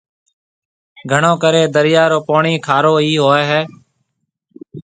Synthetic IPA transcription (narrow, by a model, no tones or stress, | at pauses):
ɡʱəɳõːkəɾeːd̪əɾɪjaːɾoːpoːɳiːkʰaːɾoːiːɦoːeːɦɛː